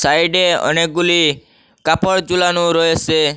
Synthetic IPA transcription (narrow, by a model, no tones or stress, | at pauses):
sajɖeɔ̰nek̚ɡuli | kapʰɔɽd͡ʒulanuɾɔjet͡ʃʰe